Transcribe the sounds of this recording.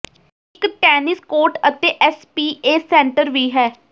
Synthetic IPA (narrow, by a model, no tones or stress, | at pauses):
ɪkʈɛːnɪskoːɾʈət̪eːʔɛspiːeːsɛ̃ːɳʈəɾʋiːɦɛː